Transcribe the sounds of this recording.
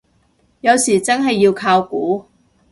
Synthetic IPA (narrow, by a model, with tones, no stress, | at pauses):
jɐ˨˧wsiː˨˩t͡sɐ˥nɦɐ˨jːiː˧wkʰaː˧wkuː˨˥